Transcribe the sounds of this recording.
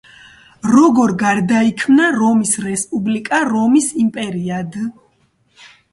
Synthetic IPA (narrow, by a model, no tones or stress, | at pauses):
ɾɔɡɔɾɡaɾd̪aikʰmnaɾɔmisɾɛspʼublikʼaɾɔmisimpʼɛɾiad̪